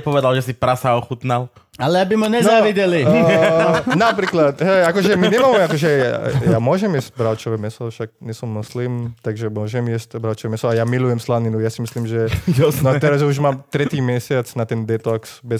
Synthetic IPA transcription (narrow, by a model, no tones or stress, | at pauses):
pɔʋɛd̪alʒɛsipɾasaɔxut̪nal | alɛabimɔɲɛzaʋiɟɛli | napɾiːklat̪ɦɛakɔʒɛmiɲɛmaːmɛakɔʒɛa̰jaːmʊɔʒɛmjɛst̚bɾaʊt͡ʃɔʋɛmɛsɔfʃaɡ̚ɲɛsɔmːɔslimt̪aɡʒɛmʊɔʒɛmjɛstbɾaʊt͡ʃɔʋɛmɛsɔajamilujɛmslaninujasimisliːmʒɛnɔt̪ɛɾazɛuʒmaːmt̪ɾɛt̪iːmjɛsɪat͡snat̪ɛnd̪ɛt̪ɔksbɛ